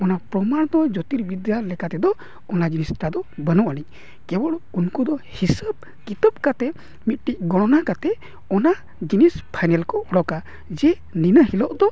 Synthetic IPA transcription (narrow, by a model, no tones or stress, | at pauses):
ɔnapɾɔmaɽ̃ɔd̪ɔd͡ʒɔt̪iɾbid̪jaɾlɛkat̪ɛd̪ɔ | ɔnad͡ʒinisʈad̪ɔbənuʔaɽi | kɛbɔɽunkud̪ɔhisəb̚ | kit̪əb̚kat̪ɛ | mit̪̚ˀʈic̚ɡɔɽ̃ɔnakat̪ɛ | ɔna | d͡ʒinispʰajnɛlkɔɔɽɔka | d͡ʒɛ | ninəhilɔʔd̪ɔ